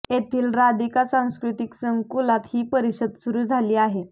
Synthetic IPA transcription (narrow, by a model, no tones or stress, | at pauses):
jet̪ʰiːlɾad̪ikasãw̃skɾut̪iksəŋkulat̪hiːpəɾiɕəd̪suɾuːd͡zʱaliːaɦe